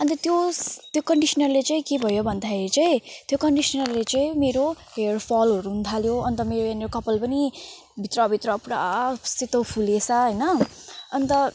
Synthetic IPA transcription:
ʌnt̪ʌt̪jot̪jokʌɳɖisʌnʌrlet͡saĩkebʱʌjobʱʌnd̪ʱaeit͡saĩt̪jokʌɳɖisʌnʌrlet͡saĩmeɾoɦerpʰʌlʌɾuɦunt̪ʰaljoʌnt̪ʌmeɾojaneɾokʌpʌlpʌni | bʱit̪rʌbʱit̪rʌpuɽasit̪opʰulesʌɦʌjnʌʌnt̪ʌ

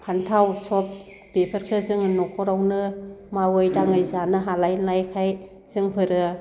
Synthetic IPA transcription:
pʰantʰawsɔp̚ | b̥epʰɯɾkʰɯzɯŋɯnɔkʰɔɾawnɯmawɯjdaŋɯjzanɯɦalajlajkʰaj | z̥ɯŋpʰɯɾɯ

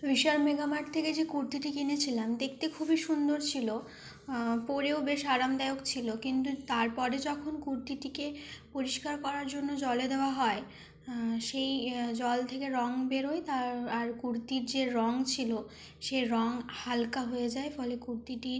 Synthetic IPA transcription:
ɾiʃaɾmeɡamaʈ̚t̪ʰːeked͡ʑekuɾt̪iʈikinet͡ɕʰilamd̪ek̚ʰt̪ekʰubʱiʃund̪oɾt͡ɕʰilo | poɾeobeʃaɾamd̪aeokt͡ɕʰilokint̪ut̪aɾpɔɾed͡ʑɔkʰonkuɾt̪iʈikepoɾiʃkaɾkɔɾaɾd͡ʑonːod͡ʑɔled̪eoaɦɔe | ʃejd͡ʑɔlt̪ʰekeɾɔŋbeɾoet̪aaɾkuɾt̪iɾd͡ʑeɾɔŋt͡ɕʰilo | ʃeɾɔŋhalkaɦoed͡ʑaefɔlekuɾt̪iʈi

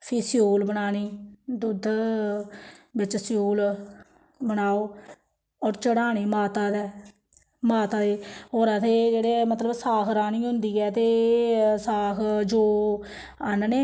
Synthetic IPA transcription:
pʰiːsɪjoːlbəɽaːñiːd̪ʊd̪ | bɪt͡ʃsɪjoːl | bənaːoː | ɔːɾt͡ʃəɽaːɽ̃iːmaːt̪aːd̪ɛː | maːt̪aːd̪eːɦoːɾaːt̪ʰeːd͡ʒeːɽeːmət̪ləbsaːkʰɾaːniːɦʊnd̪iːɛːt̪eːsaːkʰd͡ʒoː | ənneː

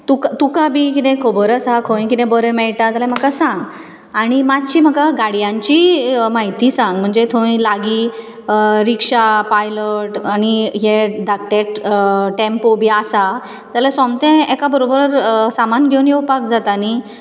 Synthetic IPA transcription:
t̪ukat̪ukabikit̪ɛ̃kʰobəɾəsakʰõĩkit̪ɛ̃bəɾəmɛɭʈat̪alãm̤əkasãŋɡ | aɽ̃imad͡ʑt͡ɕiːm̤əkaɡaɽjãɲt͡ɕimaɦit̪isãŋɡm̤əɳd͡zet̪ʰoĩlaɡi | ɾikʂapajləʈañiɦeɖ̪ʱak̚ʈ̪eʈʈẽmpobʱiasa | t̪alasɔ̃mt̪ɛ̃ekabəɾobəɾsamanɡʱeunjeupak̚d͡zat̪ani

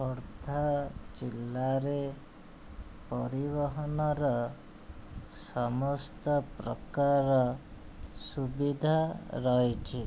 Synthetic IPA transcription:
ɔɾt̪ʰad͡ʒilːaɾe | pɔɾibɔɦɔnɔɾɔ | sɔmɔst̪ɔpɾɔkaɾɔ | subid̪ʱaɾɔɦjt͡ʃʰi

